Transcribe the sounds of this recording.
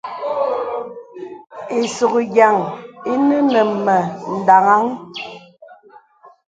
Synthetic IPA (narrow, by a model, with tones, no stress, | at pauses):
e˨so˨kɡja˨ŋi˦nə˦nə˨mə˨n̩˨da˨ŋa˦ŋ